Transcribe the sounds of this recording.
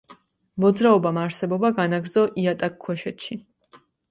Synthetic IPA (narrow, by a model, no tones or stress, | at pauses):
mɔd̪zɾaɔbamaɾsɛbɔbaɡanaɡɾd̪zɔʔiat̪ʼakʰːwɛʃɛt̪ʃi